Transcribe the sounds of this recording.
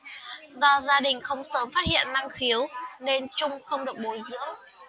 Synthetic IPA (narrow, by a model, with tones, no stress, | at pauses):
zɔ˧zaː˧ɗï˨˩ŋ̟xə˧wŋ͡msəː˨˦mfaː˦˥t̚hḭ˧˨ənːa˧ŋxi˨˦əwne˧nt͡ɕʊ˧ŋ͡mxə˧wŋ͡mɗɨ˨˩ək̚ɓo˨˦jzɨ̰˧˥əw